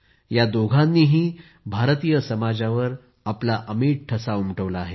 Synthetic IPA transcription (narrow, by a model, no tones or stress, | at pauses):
jad̪oɡʱãnːiːɦiː | bʱaɾt̪ijəsəmad͡zaʋəɾ | aplaʔəmiːʈ̚ʈʰəsaumʈəʋlaːɦe